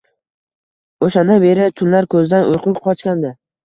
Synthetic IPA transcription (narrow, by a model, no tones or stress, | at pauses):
oʃand̪anbe̞ɾɪt̪ʰʊnlaɾkʰɵzɪd̪anʊjqʰʊkʲqʰɒt͡ʃkʲand̪ɪ